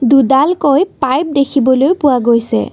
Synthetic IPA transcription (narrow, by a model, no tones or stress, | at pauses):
dudalkojppajp̚dekʰibɔlojpʊwaɡojsɛ̰